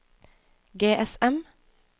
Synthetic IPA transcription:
ɡeːʔɛsɛm

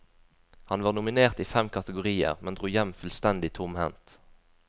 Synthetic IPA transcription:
hɑnʋɑːʁnʊmɪneːʁt̪iːfɛmkʰɑt̪əɡʊʁiːə̰ʁmɛnd̪ʁuːjɛmfʉlst̪ɛnd̪ɪt̪ʰʊmhɛ̰nt̪

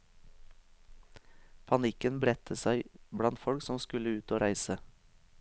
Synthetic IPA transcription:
pʰɑnɪkənbɾɛt̪ʰəsæɪbɽɑnt̪fɔɽksɔmskʉləʉːt̪oːɾæɪsə

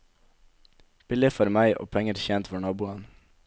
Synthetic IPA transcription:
b̥ɪlɪfɔɾmæɪʔo̰ːpʰɛŋəɾçɛnt̪fɔɳɑːbuːɑn

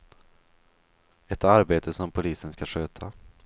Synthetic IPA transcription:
ɛt̪aɾbeːt̪ʰəsɔmpʰʊliːsənskaʂøːt̪ʰa

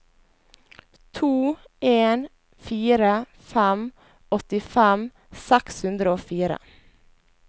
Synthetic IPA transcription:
t̪ʰuː | ʔeːn | fiːɾə | fɛm | ɔt̪ɪfɛm | sɛkshʉnd̪ɾəoːfiːɾə̰

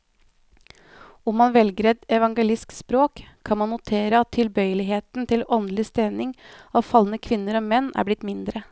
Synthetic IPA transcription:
ʊmːɑnʋɛlɡɾɛd̪ɛʋɑŋɡəlɪskspɾoːkʰː | ɑnmɑnːʊt̪ʰeːɾəɑt̪ʰːɪlbœʏəlɪɦeːt̪nt̪ʰɪlɔnd̪lɪst̪eːnɪŋɑfɑlənəkʰʋɪnːəɾɑʋmɛnːʔæ̰ɾblɪt̪mɪnd̪ɾə

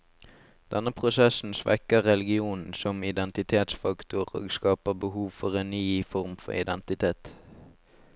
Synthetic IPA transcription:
d̪̥ɛnəpʰʁʊsɛsn̩sʋɛ̰kəʁɛlɪɡɪuːnn̩sɔmɪd̪ɛnt̪ɪt̪ʰeːt̪sfɑkt̪ʊʁo̰ːɡskɑːpəbəhuːʋfɔʁeːnnyːfɔʁmfɔ̰ɪ̰d̪ɛnt̪ɪt̪ʰeːt̪

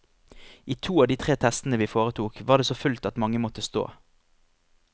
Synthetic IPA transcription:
ʔiːt̪ʰuːɑːʋd̪iːt̪ʰʁeːt̪ʰɛst̪n̩əʋiːfoːʁət̪ʰuːkʋɑːʁdeːsoːfʉlt̪ɑt̪mɑŋəmɔt̪əst̪o̰ː

